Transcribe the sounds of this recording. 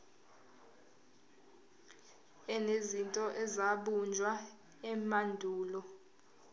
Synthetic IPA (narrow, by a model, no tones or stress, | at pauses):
ɛnezintʼɔʔɛzaɓund͡ʒʱwa | ɛmandʱuːlɔ